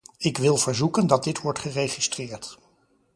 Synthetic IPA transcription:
ɪkʋɪlˠvəɹzukəndɑt̚dɪtʋɔɹtχərejχistrɪːɹt

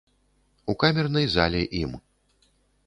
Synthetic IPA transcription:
ukamʲɛrnɐjza̰lʲɛʔim

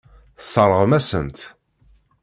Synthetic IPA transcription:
θə̥sˤərˤːəʁmæsə̰nt̪

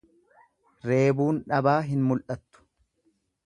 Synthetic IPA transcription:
ɾe̞ːbuːnᶑɐbaːɦɪnmʊlʔɐt̪ːʊ̥

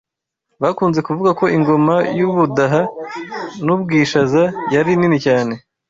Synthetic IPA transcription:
βakuːnze̞kuvuɡako̞ʔiŋɡo̞majuβudaɦa | nubɡiːʃazajaɾininicaːne̞

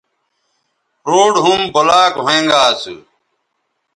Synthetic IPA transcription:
ɾoːɽɦumbɐlaːkɦẽːŋɡaːsṵ

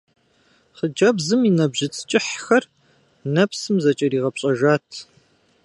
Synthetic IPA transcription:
χəd͡ʒɐbzɨminɐbʑɪt͡sʰʼt͡ʃʼɪħxɐr | nɐpsɨmzɐt͡ʃʼɐɾiːʁɐpɕʼɐʒaːtʰ

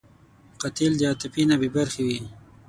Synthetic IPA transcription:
qat̪ild̪aːt̪ɪpinabibaɾxiwi

